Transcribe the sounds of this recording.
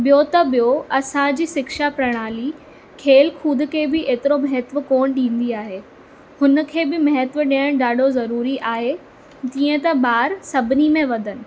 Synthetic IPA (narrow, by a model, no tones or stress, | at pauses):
ɓɪjot̪ɐɓɪjoɐsãd͡ʑiːsɪkʃapɾɐɽ̃aːli | kʰeːlkʰuːd̪̆ʱkʰeːbɪʔeːt̪ɪɾomɐɦɛt̪ʋə̆koːɽ̃ɗĩːn̆d̪iaːɦeː | hʊnəkʰeːbɪmɐɦət̪ʋəɗiəɽ̃ɗaːɖʱozɐɾuːɾiʔaːɦe | d͡ʑ̪ĩːə̃t̪ɐɓaːɾsɐbʱɪnimẽʋɐd̪ʱənɪ̆